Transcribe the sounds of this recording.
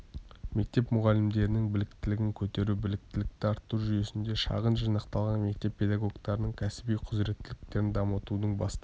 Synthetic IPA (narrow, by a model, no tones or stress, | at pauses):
me̞k̚t̪e̞pmʊʁɑlɪmd̪e̞ɾɪnɪŋbɪlɪkt̪ɪlɪɡʲɪŋkʲʰɵt̪e̞ɾubɪlɪk̚t̪ɪlɪk̚t̪ɪɑɾt̪ːuʒʏje̞sɪnd̪e̞ʃɑ̰ʁənʒijnɑqt̪ɑlˠʁɑnme̞k̚t̪e̞pʲʰːe̞d̪aɡo̞ɡt̪ɑɾənəɴkʲʰæsɪbijqʰʊzɾe̞t̪ːɪlɪk̚t̪e̞ɾɪnd̪ɑmət̪unəɴbɑst̪